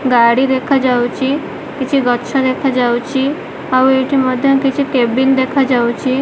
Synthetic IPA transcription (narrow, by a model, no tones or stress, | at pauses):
ɡaɽid̪ekʰad͡ʒawt͡ʃʰi | kit͡ʃʰiɡɔtːʃʰad̪ekʰad͡ʒawt͡ʃʰi | aueʈʰiməd̪ʱjɔkit͡ʃʰikebind̪ekʰad͡ʒawt͡ʃʰi